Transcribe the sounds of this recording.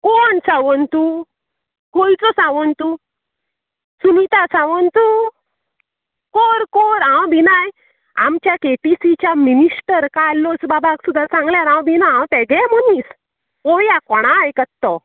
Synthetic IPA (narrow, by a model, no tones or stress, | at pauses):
kɔɳsãʋənt̪u | kojt͡sɔsãʋənt̪u | sunit̪asãʋənt̪u | koɾkoɾãwbʱinaj | a̰mt͡ɕjakeʈisit͡ɕjaminiʂʈəɾkaalːɔsbabaksud̪ʱːasãŋɡljaɾãwbʱinaãwt̪ɛɡɛmənis | ojakɔɽ̃ajkət̪ːɔ